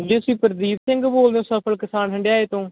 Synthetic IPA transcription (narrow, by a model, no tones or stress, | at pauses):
d͡ʒeːʊsĩːpəɾd̪iːt̪sɪ̃ŋɡboːld̪eõːsəpʰəlkɪsaːnɦəɳɖɪjaːeːt̪õː